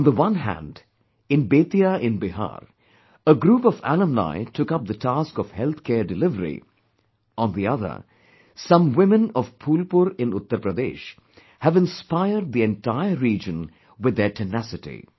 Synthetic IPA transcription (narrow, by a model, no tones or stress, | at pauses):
ɔ̃nd̪əwʌ̃nɦæ̰̃nɖ | ɪ̃nbeːt̪iaʔɪ̃nbɪɦa̰ːɾ | əɡɾuːpɔʋæ̰lə̃mla̰ɪʈʰʊkʌp̚d̪ətʰaskɔv̥hɛlˠt̪ʰkʰɛːɾɖɪlɪvəɾḭ | ɔ̃nd̪iʌðə̰˞ | sʌ̃mwɪ̃mɨ̃nɔv̥pʰuːlpʊɾɪ̃nʊt̪ːəɾpɾəd̪ḛːʃ | hævɪ̃nspaɪəɾɖ̪̚ðiɛ̃nʈaɪəɾiːd͡ʒə̃n | wɪd̪ːeʈʰɨnæsɪtḭ